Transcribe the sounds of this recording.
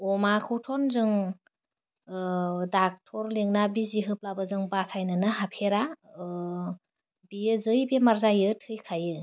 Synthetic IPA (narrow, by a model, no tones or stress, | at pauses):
ɔmakʰɯwtʰɔnzɯŋ | dak̚tʰɔɾliŋnabiziɦɯp̚labɯzɯŋbasajnɯnɯɦapʰeɾa | bijɯzɯjbemaɾzajɯtʰɯjkʰajɯ